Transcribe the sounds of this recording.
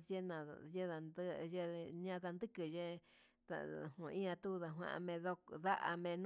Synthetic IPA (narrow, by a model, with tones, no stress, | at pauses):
e˦nã˨je˦ða˨nd̪je˦ɲã˦ða˧nd̪ɨ˦kɨ˨je˦ | ða̰˧hũ˨˧ĩ˦ã˧t̪u˦˧ða˧ɦwã̰˧ʔa̰˧mẽ˧ðo˦ða˦ʔa̰˧mẽ˧ñ˦